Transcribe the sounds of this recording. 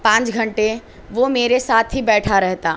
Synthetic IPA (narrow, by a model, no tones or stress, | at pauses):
pãːt͡ʃɡʱɐ̃ɳʈe | ʋomeːɾesaːt̪ʰɦibɛːʈʰaɾɛɦt̪aː